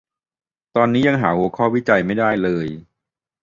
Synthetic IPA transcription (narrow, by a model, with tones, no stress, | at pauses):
t̪ɔː˧nːiː˦˥ja˧ŋɦaː˩˦hu˧˦kʰɔː˥˩wiː˦˥t͡ɕa˧jma˥˩jdaː˥˩jlɤː˧j